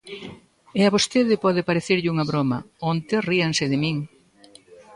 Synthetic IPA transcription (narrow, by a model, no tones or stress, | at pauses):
ɪaβost̪eðɪpɔðɪpaɾeθeɾʎɪuŋɐβɾomɐ | ɔnt̪ɪriɐŋsɪðɪmiŋ